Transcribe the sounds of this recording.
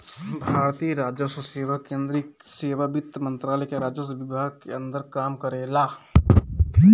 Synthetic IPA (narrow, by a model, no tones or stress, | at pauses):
bʱaːɾt̪ijɾad͡ʒjəsoseːʋakẽnd̪ɾiseːʋabit̪ːəmənt̪ɾaːlɛkeɾad͡ʒəsbɪbʱaɡ̚keənd̪əɾkaːmkəɾela